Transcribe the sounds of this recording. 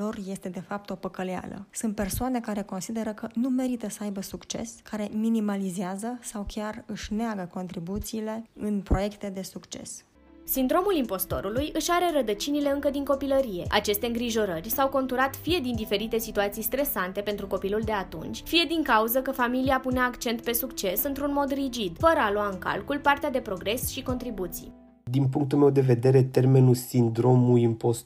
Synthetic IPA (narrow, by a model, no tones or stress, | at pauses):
o̞rje̞st̪e̞d̪e̞fap̚t̪o̞pəkəlea̰lə̰sunt̪̚pe̞rsoane̞kaɾe̞ko̞nsid̪e̞ɾəkənume̞ɾit̪əsəajbəsukt͡ʃe̞̰skaɾe̞minimalizeazəsawkʲjarɨʃʲneaɡəko̞nt̪ɾibut̪siːle̞ɨnpɾo̞je̞kt̪e̞d̪e̞sukt͡ʃe̞̰s | sind̪ɾo̞mulimpo̞st̪o̞̰ɾulujɨʃaɾe̞ɾəd̪ət͡ʃinile̞ɨŋkəd̪iŋko̞piləɾije̞ʔa̰t͡ʃe̞st̪eɨŋɡɾiʒo̞ɾərʲsawko̞nt̪uɾat̪fije̞d̪ind̪ife̞ɾit̪e̞sit̪uat̪sijst̪ɾe̞sant̪e̞pe̞nt̪ɾuko̞piluld̪e̞at̪ṵnt͡ʃʲfije̞d̪iŋkauzəkəfamiliapuneaːkt͡ʃe̞nt̪̚pe̞sukt͡ʃe̞sɨnt̪ɾunmo̞d̪rid͡ʒid̪fəɾəaloaɨŋka̰lkulpart̪ead̪e̞pɾo̞ɡɾe̞sʃiko̞nt̪ɾibut̪sḭj | d̪inpuŋk̚t̪ulme̞wd̪e̞ve̞d̪e̞ɾe̞t̪e̞rme̞nulsind̪ɾo̞mujimpos